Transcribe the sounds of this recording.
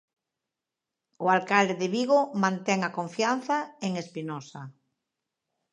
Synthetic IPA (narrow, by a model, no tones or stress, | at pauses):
ʊalkald̪eðeβiɣomãnt̪ɛŋakõɱfjan̟θaeŋespinɔsa